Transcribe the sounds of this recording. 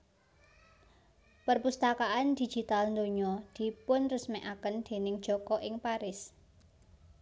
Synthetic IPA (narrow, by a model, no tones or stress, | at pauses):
pərpust̪akaʔand̪̥i̤̥d͡ʒ̥i̤t̪alnd̪oɲɔd̪̥i̤pʊnrʊsmɛʔakənd̪̥e̤nɪŋd̥ʒ̥ɔ̤kɔʔɪŋpaɾɪs